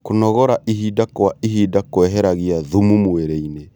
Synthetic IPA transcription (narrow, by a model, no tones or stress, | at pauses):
konɔɣɔɾaʔiɦidakoaiɦiːdakoɛɦɛɾaɣiaðumumoeɾeine